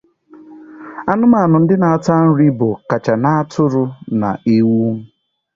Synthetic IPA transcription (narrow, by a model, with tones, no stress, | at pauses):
a˨nʊ˦ma˨nʊ˨n̩˦dɪ˦na˨a˨ta˦n̩˦ɾi˦bʊ˨ka˨t͡ʃa˨na˦a˦tʰʊ˦ɾʊ˨˦na̰˨i˦wu˦m̩˦